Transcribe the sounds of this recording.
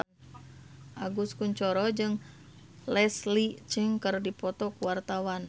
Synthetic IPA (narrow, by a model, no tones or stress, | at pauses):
ʔaɡuskuɲt͡ʃɔɾɔd͡ʒɨŋ | lɛslit͡ʃəŋkərdipɔt̪ɔkuwart̪awan